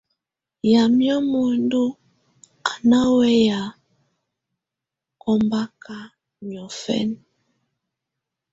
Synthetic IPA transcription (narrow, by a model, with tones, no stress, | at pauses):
ja˨mjɔ˦mo˨ndu˦ | a˨na˦wɛ˦ja˨ | kɔ˦mba˦ka˦ | mjɔ˨fɛ̰˦n